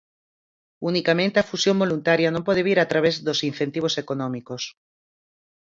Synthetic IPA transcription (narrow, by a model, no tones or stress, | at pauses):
unikamẽnt̪eafusjombolunt̪aɾjanõmpɔð̞eβiɾat̪ɾaβ̞ezðosin̟θent̪iβ̞osekonɔ̃mikos